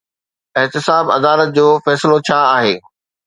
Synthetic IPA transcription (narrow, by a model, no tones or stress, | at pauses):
ɪɦt̪ɪsaːbɐ̰d̪aːlət̪̚d͡ʑoːfɛːsɪlot͡ɕʰaːɦeː